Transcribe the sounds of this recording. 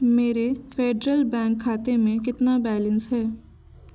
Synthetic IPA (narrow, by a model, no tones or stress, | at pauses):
meːɾefʰeːɖɾəlbɛ̃ːŋkʰːaːt̪emẽk̬ɪt̪nabɛːlə̃nsɦɛː